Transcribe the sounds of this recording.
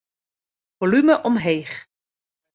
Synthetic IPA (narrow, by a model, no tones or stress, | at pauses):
volyməʔɔmɦejχ